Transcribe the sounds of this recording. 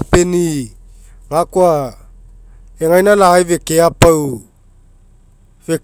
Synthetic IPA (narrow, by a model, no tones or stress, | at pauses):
peni | ŋakwa | eŋajnalaɣajvekeapaw | ve